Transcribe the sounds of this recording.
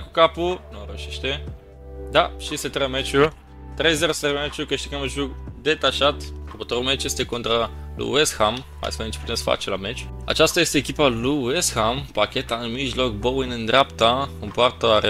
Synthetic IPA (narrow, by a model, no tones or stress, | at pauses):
kukapunoɾəʃiʃt̪e | d̪a̰ʃiset̪ɾəmet͡ʃu | t̪ɾejzeɾost̪ɾemet͡ʃukəʃt̪ikamɨʒukd̪et̪aʃat̪kopot̪oɾomet͡ʃjest̪ekont̪ɾalṵesxam | a̰jsved̪emt͡ʃe̥put̪emsfa̰t͡ʃelamet͡ʃa̰t͡ʃast̪ajest̪eːkʲipaluesxampakʲet̪aɨnmiʒlok̚bowinɨnd̪ɾapt̪akompoart̪əɾe